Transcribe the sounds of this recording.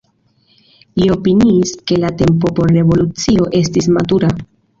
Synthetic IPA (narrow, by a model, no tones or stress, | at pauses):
lio̞piniːske̞late̞mpo̞po̞ɾːe̞vo̞lut͡sio̞ʔe̞stismatuɾa